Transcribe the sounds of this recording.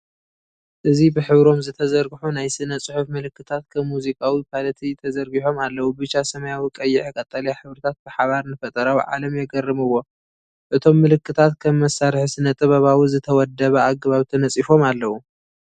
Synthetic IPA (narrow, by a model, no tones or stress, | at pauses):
ʔɨzibɨħɨβɾo̞mzɨt̪ʰɐzɐɾɡħunajsɨnɐt͡sʼɨħufmɨlɨkːɨt̪ʰat̪kʰɐmːuzikʼawipʰalɐt̪ʰit̪ʰɐzɐɾɡiħo̞malːɐwubɨt͡ʃːasɐmɐjawikʼɐjːɪʕikʼɐt̪ʼːɐljaħɨβɾɨt̪ʰat̪̚bɨħaβaɾnɨfɐt̪ʼɐɾawʕa̰lɐmjɛɡɐrːɨmɨwːo̞ | ʔɨt̪ʰo̞mːɨlɨkːɨt̪ʰat̪kʰɐmːɐsːaɾħisɨnɐt̪ʼɨβɐβawizɨt̪ʰɐwɔd̪ːɐβɐaɡβaβt̪ʰɐnɐt͡sʼifo̞malːɐwu